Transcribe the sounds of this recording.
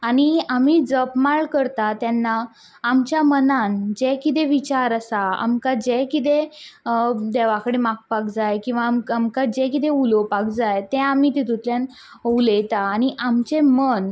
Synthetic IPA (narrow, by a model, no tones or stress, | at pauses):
aɽ̃iamiːd͡zəpmaɭkəɾt̪at̪janːaː | mt͡ɕjamənand͡ʑɛkit̪̬eʋit͡ɕaɾəsaa̰mkad͡ʑɛkit̪e | d̪eʋakəɽemak̚pakd͡zajkĩw̃ʋamamkad͡ʑɛkit̪ẽulopak̚d͡zajt̪ẽamit̪et̪ut̪ljãn | ulet̪aːɽ̃iʔamt͡ɕemən